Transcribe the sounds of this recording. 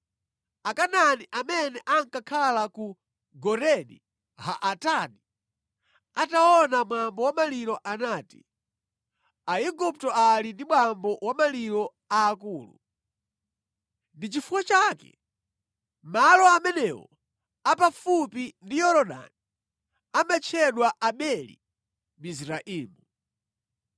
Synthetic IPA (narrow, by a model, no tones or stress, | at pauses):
akananiʔamɛnɛʔaŋkakʰalaku | ɡɔɾɛnḭ | ha̰ʔatani | ataɔnamwambɔwamaliɾɔʔanaːti̥̰ | aiɡup̚tɔalindimwambɔwamaliɾɔ | aːkuːlṵ | ndit͡ʃifuwat͡ʃakɛ̰ | malɔamɛnɛwɔ̰ | apafupindijɔɾɔɗa̰ni | amat͡ʃʰɛɗwaʔaɓɛlḭ | misɾaʔiːmu